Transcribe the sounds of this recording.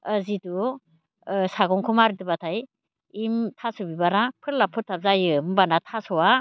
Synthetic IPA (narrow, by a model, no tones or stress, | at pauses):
əzidu | saɡɔŋkʰumaɾdɯbatʰaj | imtʰasubibaɾapʰɯɾlapʰɯtʰap̚zajɯmbanatʰasɔwa